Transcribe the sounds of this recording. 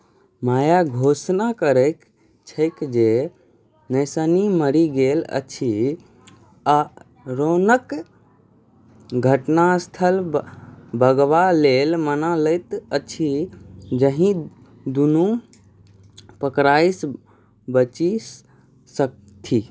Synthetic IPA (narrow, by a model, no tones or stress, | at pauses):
majaɡʱosnakəɾəɪk | t͡ʃʰəɪkd͡ʒe | nəɪsəniməɾiɡelə̰t͡ʃʰi | a | ɾonək | ɡʱəʈnast̪ʰəl | bəɡʋalelmənaləɪt̪ət͡ʃʰid͡ʒəɦĩ | d̪unu | pəkɾajs | bət͡ʃi | sək̚ | t̪ʰi